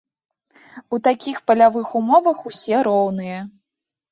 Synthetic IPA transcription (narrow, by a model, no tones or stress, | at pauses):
ut̪akʲixpɐlʲavɨxumɔvɐxusʲɛɾɔwnɨjɐ